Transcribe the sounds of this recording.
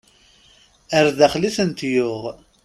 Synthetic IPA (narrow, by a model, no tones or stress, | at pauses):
əɾðæχliθənt̪jʊʁ